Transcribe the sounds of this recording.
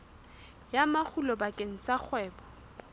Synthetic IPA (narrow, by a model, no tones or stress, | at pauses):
jamak͡xʰulɔbakʼeŋ̩t͡sak͡xʰwɛːbɔ̥